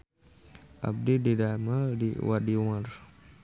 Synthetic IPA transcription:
ʔa̰b̚dididamaldḭwadiumar

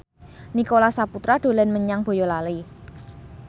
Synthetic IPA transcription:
nikolasaput̪ɾaɖ̪̥o̤lɛnməɲaŋb̥o̤jɔlali

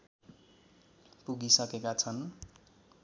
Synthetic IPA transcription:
puɡisʌkekat͡sʰʌn

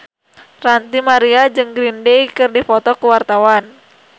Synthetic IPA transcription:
rant̪imaɾiad͡ʒɨŋɡɾindejkɨrdifɔt̪ɔkəwart̪awan

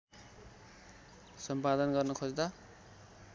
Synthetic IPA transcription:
sʌmpad̪ʌnɡʌrnʌkʰod͡zd̪a

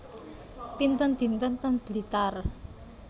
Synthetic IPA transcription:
pint̪ənd̪̥i̤nt̪ənt̪ənb̥lit̪ar

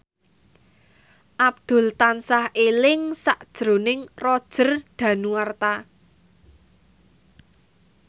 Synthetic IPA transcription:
ʔab̚d̪̥ʊ̤lt̪ansahʔelɪŋsaʔd̥ʒ̥ɾo̤nɪŋrɔd̥ʒ̥ə̤rɖ̪̥ä̤nuwart̪a

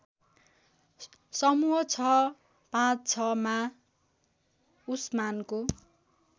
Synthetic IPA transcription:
sʌmuɦʌt͡sʰʌ | pãt͡st͡sʰʌma | usmanko

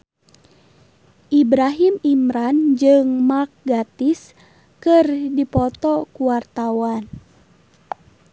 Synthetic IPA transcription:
ʔibɾaɦimimɾand͡ʒɨŋmak̚ɡat̪is | kɨrdipɔt̪ɔkuwart̪awan

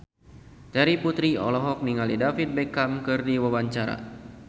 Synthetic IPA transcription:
t̪ɛɾiput̪ɾiɔ̰lɔɦɔk̚niŋalidafit̪̚bɛkamkɨrdiwawaɲt͡ʃaɾa̰

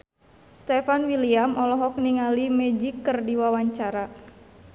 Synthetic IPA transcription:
st̪ɛfanwiliamʔɔlɔɦɔk̚niŋalimɛd͡ʒikːərdiwawaɲt͡ʃaɾa

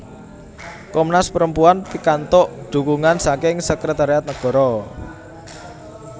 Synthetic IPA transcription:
kɔmnaspəɾəmpuanpikant̪ʊʔɖ̪̥ṳkuŋansakɪŋsəkɾət̪aɾiat̪̚nəɡ̥ɔ̤ɾɔ

